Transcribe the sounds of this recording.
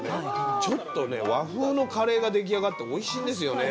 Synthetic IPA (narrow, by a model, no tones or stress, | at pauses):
net͡ɕo̞t̪ːo̞ne̞̰βaɸɯːno̞kʰaɾe̞ːɡad̪e̞k̬ʲiaɡat̪ːe̞o̞iɕĩːnd̪e̞s̬ɨjo̞ne